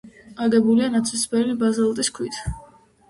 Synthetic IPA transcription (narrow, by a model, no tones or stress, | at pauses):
aɡɛbulianat̪sʰɛsbɛlibazɛlˠt̪ʼiskʰwit̪ʰ